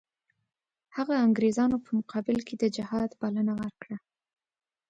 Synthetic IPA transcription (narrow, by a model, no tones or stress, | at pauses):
haɣaːŋɡɾezɑnopəmʊqʰɑbɪlkʰed̪əd͡ʒɪhɑd̪balənawəɾkɽa